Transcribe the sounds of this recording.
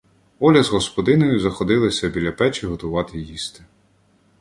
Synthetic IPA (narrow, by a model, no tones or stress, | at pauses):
ɔlʲɐzɦɔspɔd̪ɪnɔjʊzɐxɔd̪ɪlˠɐsʲɐbʲilʲɐpɛt͡ʃɪɦɔt̪ʊʋɑt̪ɪjist̪ɪ̥